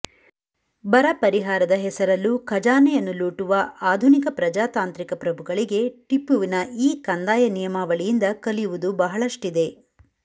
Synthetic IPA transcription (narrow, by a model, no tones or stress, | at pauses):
bɐɾɐpɐɾiɦaːɾɐd̪ɐɦɛsɐɾɐlːukʰɐd͡ʒaːnɛjɐnːuluːʈuʋɐaːd̪ʱunikɐpɾɐd͡ʒaːt̪aːnt̪ɾikɐpɾɐbʱuɡɐɭiɡe̞ʈipːuʋinɐiːkɐnd̪aːjɐnijɐmaːʋɐɭijind̪ɐkɐlijuʋud̪ubɐɦɐɭɐʂʈid̪e̞